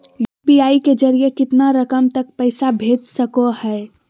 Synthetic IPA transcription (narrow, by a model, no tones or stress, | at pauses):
jupiaːiked͡ʒəɾijekɪt̪naɾəkəmt̪ək̚pəɪsabʱed͡ʒsəkohɛe